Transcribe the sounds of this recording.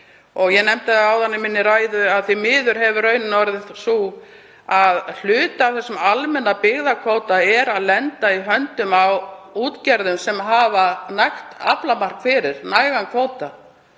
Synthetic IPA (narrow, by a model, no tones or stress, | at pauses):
ɔɣjɛnɛmt̪ɪaawθanːɪmɪnːɪɾaːjðʏaðθimɪːðʏɾ̥ɦɛvʏrœːɥnɪnɔvaɾðɪsu | aðl̥ʏːt̪aθɛsːʏmalmɛnːapɪɣðakʰvoːwt̪aɛɾaðlɛnt̪aiɦœnt̪ʏmawuːt̪cɛɾðʏmsɛmɦavanajxt̪a̰plamar̥kfɪɾɪɾ̥naːjɣankʰvoːwt̪a